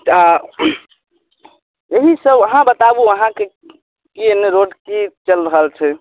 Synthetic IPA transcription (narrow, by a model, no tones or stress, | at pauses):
t̪a | jeɦisəbəɦãbət̪abuəɦãke | kienːeɾoɖkit͡ʃəlɾəɦəlt͡ʃʰɛ